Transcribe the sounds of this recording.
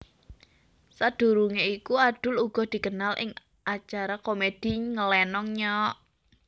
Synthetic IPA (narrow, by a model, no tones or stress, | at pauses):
sad̪̥ṳɾuŋeikuaɖ̪̥ʊ̤luɡ̥ɔ̤d̪̥i̤kənalʔɪ̰ŋ | ʔat͡ʃaɾakomed̪̥i̤ŋəlɛnɔŋɲɔʔ